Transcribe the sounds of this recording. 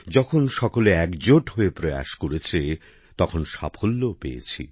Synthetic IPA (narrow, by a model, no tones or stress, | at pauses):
d͡ʑɔkʰonʃɔkoleɛkd͡ʑoʈɦoepɾoja̰ʃkoɾet͡ɕʰe | t̪ɔkʰonʃapʰolːoopejḛt͡ɕʰḭ